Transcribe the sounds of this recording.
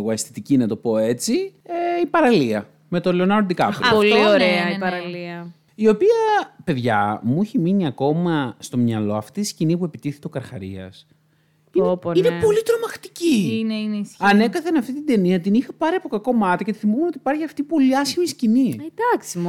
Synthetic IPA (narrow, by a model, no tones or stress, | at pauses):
ɣoest̪it̪icinɐt̪o̞po̞e̞t͡sieipɐɾɐliɐ̰ | me̞t̪oleonɐɾ̚d̪ikɐ̰pɾpolioɾeɐiɐɾɐliɐ | io̞piɐpe̞ðʝɐ̰muiçiminiɐko̞mɐst̪o̞mɲɐlo̞ɐft̪iscinip̬ue̞pit̪iθet̪eo̞kɐɾxɐ̰ɾḭɐ̰s | iepoinepo̞lit̪ɾo̞mɐxt̪i̥cininisɐne̞kɐθenɐft̪it̪id̪e̞niɐt̪inixɐpɐɾiɐpo̞kɐko̞mɐt̪icet̪i̥θimumeot̪ipɐɾçiɐft̪ipo̞liɐsçimiscinied̪ɐksim